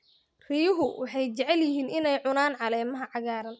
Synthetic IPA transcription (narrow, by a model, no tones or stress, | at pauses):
r̥ijʊɦʊwʔɑħɑjt͡ʃɛʕɛljɪɦiːnʔɪnɛjʕʊnaːnʕɑlɛːmɐɦɐʕɑɣaːɾɐn